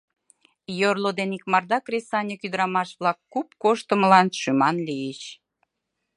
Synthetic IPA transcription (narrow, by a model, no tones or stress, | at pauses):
jorlod̪enikmɑrd̪ɑkrʲesɑnʲekyd̪əɾɑmɑʃβlɑkːupkoʃt̪əməlɑnʃymɑnlijet͡ɕ